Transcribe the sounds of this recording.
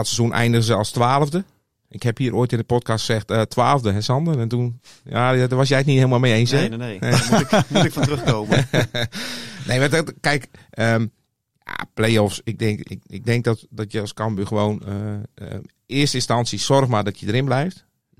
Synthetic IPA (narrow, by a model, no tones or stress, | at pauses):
dɔtsəzunʔɛ̰jndəɣəzəɔlˠstʋaːlˠəvdə | ʔɪkhɛphiəɾʔoːjtɪndəpɔt̚kastsɛxtətʰʋaːlˠəvdəɦɛsɔndərɛntunjadəʋɔsjɛjətnithɪːəlˠmalˠmejejnsɛ | ɪkfrəxkoːm | nejʋadkɛjkəm | a̰plejɔfsɪɡ̚dɪŋkɪɪɡ̚dɛŋk̚dɔtdɔtjəskɔmbyxəʋoːnəə | ɪəstəɪnstansjəsɔrxmadɔtʰjədəɾɪnblɛjft